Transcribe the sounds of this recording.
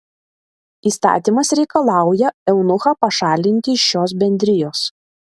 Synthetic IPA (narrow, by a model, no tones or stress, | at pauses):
iːst̪ɑ̰ːt̪ʲiːˑmɐsɾʲɛɪkɐlˠɑˑʊjɛɛʊnʊxɑːpɐʃɑːlʲɪnʲt̪ʲɪɪʃːoːsbʲɛnʲd̪ʲɾʲɪjoːs